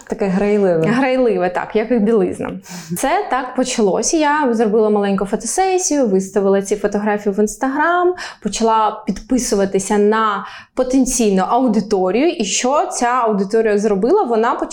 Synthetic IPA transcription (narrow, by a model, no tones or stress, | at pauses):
t̪ɐkɛɦɾɐjlˠɪʋɛɦɾɐjlˠɪʋɛt̪ɑ̰kjɐkɪxbʲilˠɪ̰znɐ̰m | sɛt̪ɑkpɔt͡ʃɐlˠɔ̰sʲɐjazrɔbɪlˠɐmɐlˠɛnʲkʊfɔt̪ɔsɛsʲijʊʋɪst̪ɐʋɪlˠɐt͡sʲifɔt̪ɔɦɾɑfʲijiʋɪnst̪ɐɦɾɑmpɔt͡ʃɐlˠɑpʲid̪pɪsʊʋɐt̪ɪsʲɐnɐ | pɔt̪enʲt͡sʲijnʊʔɐwd̪ɪt̪ɔɾʲijʊʔiʃt͡ʃɔt͡sʲaɐwd̪ɪt̪ɔɾʲɪjɐzrɔbɪlˠɐʋɔnɑpɔ